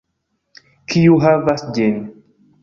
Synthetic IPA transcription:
kʰijuɦavasd͡ʒen

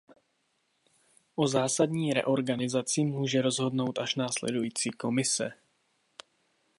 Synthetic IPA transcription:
ʔozaːsadɲiːɾɛ̰ʔo̞ɾɡanɪzat͡sɪmuːʒɛɾo̞zɦo̞dno̞wt̪ʔaʃnaːslɛ̰dujiːt͡siːko̞mɪsɛ̰

